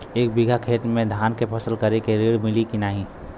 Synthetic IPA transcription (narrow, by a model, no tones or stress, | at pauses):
eːk̚biɡʱakʰeːʈ̪mẽd̪ʱaːnkepʰəsəlkɐɾekeɾeːɽmɪlikinaːɦĩ